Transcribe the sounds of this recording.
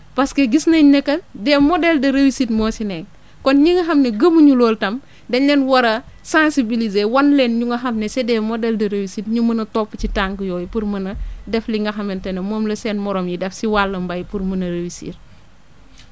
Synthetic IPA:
pɐskɐɡisnɐɲɐkːɐdɛːmɔdɛldɐɾewisitmɔːsinɛŋ | kɔnɲiŋɡɐɦɐmnɛɡɐmuɲulɔːltɐm | dɛlɛnwɐɾɐ | sãnsibilizewɐnlɛnɲuŋɡɐxɐmnɛsɛdɛːmɔdɛldɐɾewisitɲumɐnɐtɔpːucitaŋɡjɔːjpuɾmɐnɐdɛfliŋɡɐxɐmɛntɐnɛmɔːmlɐsɛːnmɔɾɔmjidɛfsiwalːɐmbɐjpuɾmɐnɐɾewisḭɾ

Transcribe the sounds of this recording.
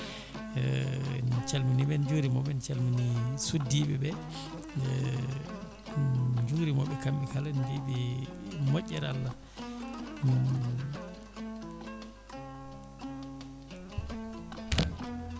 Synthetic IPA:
nt͡ʃalminiɓɛnd͡ʒuːɾimɔɓɛnt͡ʃalminisudːiɓɛbɛ | d͡ʒuɾimɔɓɛkamɓikalandiɓimoʔʲːɛɾalːa

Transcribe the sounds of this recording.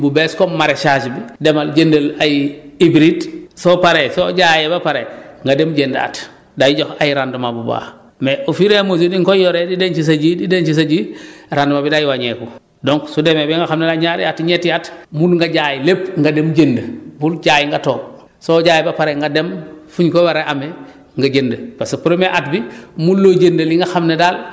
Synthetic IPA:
bubeskommaɾet͡ʃad͡ʒibidemalɟendɐlajibɾidsopaɾesoɟaːjebapaɾeŋɡademɟenda̰ːt | dajiɟoxajiɾandumabuba̰ | meʔofiɾemozudiŋkojoɾedident͡ʃis̬aɟidident͡ʃis̬aɟiɾandumabidajiwaɲeku | doŋksudemebiŋɡaxamnedalɲaːɾḭatiɲetiatmunŋɡaɟaːjilep̚ŋɡademɟendəbulɟaːjiŋɡatoːm | soɟaːjibapaɾeŋɡademfuɲkowaɾeʔame | ŋɡaɟendəpasepuɾomeʔatbimulːoɟendɐliŋɡaxamnedal

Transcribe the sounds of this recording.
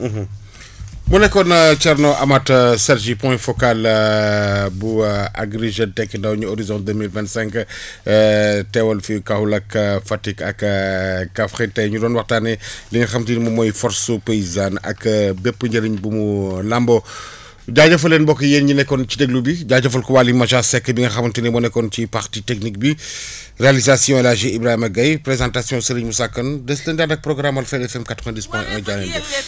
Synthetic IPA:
ɦ | munɛkːɔnət͡ʃɛɾnɔʔɐmɐtsɛɾʒipɔ̃jfɔkal | bua̰ɡɾiʒetɛkːəndɐwɲuoɾizɔ̃nt̚dəmilvɛ̃ntsɛ̃ŋk | tɛwɐlfikahulɐkfɐtikɐk | kɐfxitɛjɲudɔːnwɐxtaːnɛliɲɐxɐmtiːnmumɔjfɔɾsupeizanɐ̰kːbɛpːəɲɟɐɾiɲbumulambɔ | ɟaːɟɐfɐlːeːnbɔkːɐjenɲinɛkɔnt͡ʃideɡlubiɟaːɟɐfɐlkɔwaːlimɐʃasɛkːɐbiŋɡɐxɐmɐntinimɔnɛkɔncipaɾtitek̚nik̚bi | realizasjɔ̃laʒ̬iibɾahimɐɡɐjpɾezãːntasijɔ̃sɐɾiɲmusakːɐndɐslendaːdɐk̚pɾɔɡɾamɐlfɛɾɛfɛmkatɾɛndispɛ̃ʔɐɟanɛnbɔ

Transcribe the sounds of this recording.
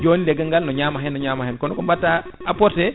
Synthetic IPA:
d͡ʒoːnilɛɡəŋɡalnɔɲamaɦɛnːɔɲamahɛnkɔnkɔmbatːaapɔɾtɛ

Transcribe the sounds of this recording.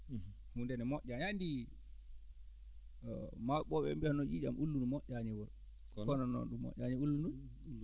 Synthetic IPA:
hundɛnɛmɔʔʲaɲandi | maɓɔɓɛ̰mbihanɔd͡ʒid͡ʒa̰mʔulːunumɔʔaɲɛwɔɾ | kkɔnɔnɔ̰nɗumːɔ̰ʔʲaɲɛulːunu

